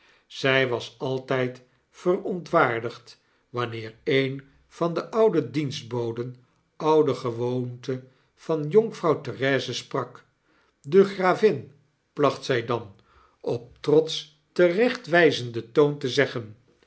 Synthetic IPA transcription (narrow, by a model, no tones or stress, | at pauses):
z̥ɛjʋɑsɑlˠtɛjt | fərɔntʋaːɹdəχt | ʋɑnɪːɹejn | v̥ɑndəʔʌwdədinsd̚bowdən | ʌwdəχəʋowntə | v̥ɑnjɔŋfrɑwtərɛːzəsprɑk | dəχraːvɪn | plɑχtsɛjdɑn | ɔp̚trɔts | tərɛχtʋɛjzəndətowntəzɛχən